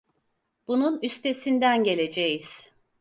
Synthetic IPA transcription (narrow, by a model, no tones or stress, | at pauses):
b̥ununyst̪ʰe̞sind̪ænɟe̞lʲe̞d͡ʒejiz̥